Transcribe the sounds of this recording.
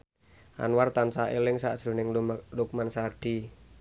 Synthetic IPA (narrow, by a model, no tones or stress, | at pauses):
ʔa̰nwart̪ansaelɪŋsa̰ʔʒ̥ɾṳnɪŋlʊk̚mansaɖ̥i